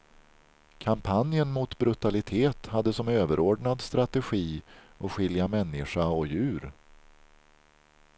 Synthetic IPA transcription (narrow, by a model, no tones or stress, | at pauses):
kʰampʰanjənmʊt̪bɾɵt̪alɪt̪ʰeːt̪had̪ːəsɔmøːvəɾʔoːɖɳad̪st̪ɾat̪ɛɧiːʔɔɧɪljamɛnːɪʂaɔjʉ̟ːɾ